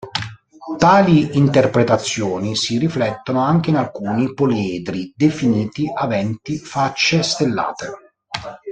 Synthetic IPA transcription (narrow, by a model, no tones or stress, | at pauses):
t̪aːliint̪erpɾet̪at̪sːjoːnisiriflɛt̪ːonoaŋk̟einalkuːnipolɛːd̪ɾid̪efiniːt̪iʔavɛnt̪ifat͡ʃːest̪elːa̰ːt̪e